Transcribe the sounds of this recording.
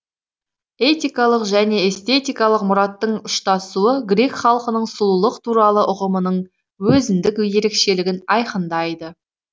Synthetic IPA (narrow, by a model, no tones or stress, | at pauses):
e̞t̪ijkɑlˠəqʒæne̞ːst̪e̞t̪ijkɑlˠəqmʊɾɑt̪ːəɴʊʃt̪ɑsuəɡɾʲe̞kχɑlˠqənəɴsʊlˠulˠəqt̪ʰuɾɑlˠəʔʊʁəmənəɴ | wɵzɪnd̪ɪkje̞ɾe̞kʃe̞lɪɡʲɪnɑjqənd̪ɑjd̪ə